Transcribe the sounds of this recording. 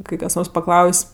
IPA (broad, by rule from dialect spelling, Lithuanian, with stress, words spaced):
ˈkɐɪ kɐs ˈnoːrs pɐˈklˠɐʊsʲ